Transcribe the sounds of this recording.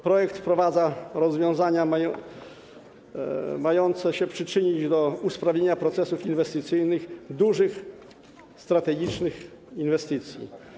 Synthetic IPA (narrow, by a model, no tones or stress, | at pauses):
pɾɔjɛkt̪fpɾɔvad̪zaɾɔzvʲjɔ̃w̃zaɲamajɔ | majɔnt̪sɛɕɛpʂɘt͡ʂɘɲid͡ʑd̪ɔuspɾavʲɲeɲapɾɔt̪sɛsufinvɛst̪ɘt̪sɘjnɘxd̪uʐɘx | st̪ɾat̪ɛɡʲit͡ʂnɘx | invɛst̪ɘt̪sʲjḭ